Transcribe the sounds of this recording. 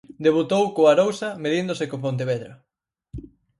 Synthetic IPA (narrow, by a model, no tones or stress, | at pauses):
d̪eβ̞ut̪owkoaɾowsɐmeðind̪osekopõnt̪̬eβeðɾɐ